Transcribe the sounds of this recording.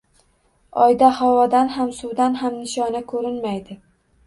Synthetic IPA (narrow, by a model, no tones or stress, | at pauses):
ɒjd̪ahɒwɒd̪anɦamsʊwd̪anɦamnɪʃɒnɪkʰɵɾɪnmajd̪ɪ